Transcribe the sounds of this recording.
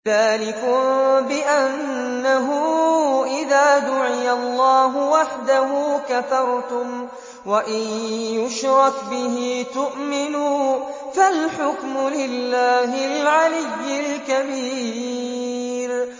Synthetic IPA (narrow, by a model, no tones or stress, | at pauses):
ðaːlɪkʊbɪʔanː | aɦʊʔɪðaːd̪ʊʕɪjalˤːɑːɦʊwaħd̪aɦʊːkaθɑɾˤt̪ʊm | waʔɪjjʊʃɾˤɑkbɪɦiːt̪ʊʔmɪnuː | falħʊkmʊlɪlːaːɦɪlʕalɪjːɪlkabiː | ɾ